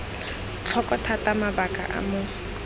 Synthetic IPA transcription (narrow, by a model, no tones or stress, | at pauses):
t͡ɬʰɔkʼɔtʰatamabakʼa̰ʔa̰mʊ